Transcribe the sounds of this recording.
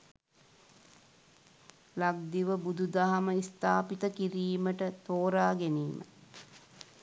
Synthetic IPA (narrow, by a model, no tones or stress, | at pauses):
laɡ̚d̪iʋəbud̪ud̪aɦaməist̪aːpit̪əkiɾiːməʈət̪oːɾaːɡeniːmʔə̰